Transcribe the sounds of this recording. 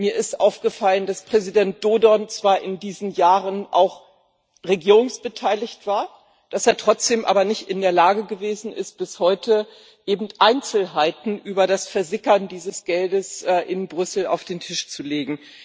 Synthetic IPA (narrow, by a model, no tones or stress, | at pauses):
miːɐɪstʔaʊfɡ̥əfaləndaspʁ̥ɛzidɛnt̚d̥oːdɔnt͡sv̥aːɐʔɪndiːzn̩jaːʁənʔa̰ʊx | ʁeɡiːʁʊŋsb̥ətʰaɪlɪçtv̥aːɐ | d̥aseːɐtʁ̥ɔt͡sd̥eːmʔa̰ːbɐnɪçtɪndeːɐlaːɡəɡəveːzn̩ɪst̚b̥ɪshɔʏtʰə | ʔeːbm̩tʔaɪnt͡sl̩ɦaɪtn̩ʔyːbɐdasfɛɐzɪkɐndiːzəsɡ̥ɛldəsʔɛːʔɪnbʁʏsl̩a̰ʊfd̥eːntʰɪʃt͡suleːɡŋ̩